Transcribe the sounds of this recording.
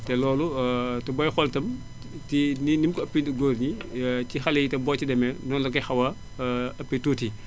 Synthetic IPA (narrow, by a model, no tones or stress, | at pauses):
tɛlɔːlutɐbɔjxɔltɐm | tininimkɔɐpːidɡoːɾɲicixɐlɛjitɐmbɔːcidɐmɛnɔnlɐkɐxɐwɐ | ɐpːituːti